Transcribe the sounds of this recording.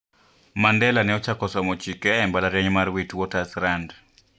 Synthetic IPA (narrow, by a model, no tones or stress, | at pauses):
mandɛlanɛɔt͡ʃakɔsɔmɔt͡ʃikɛːmbalaɾjaɲmarwitwɔtasɾand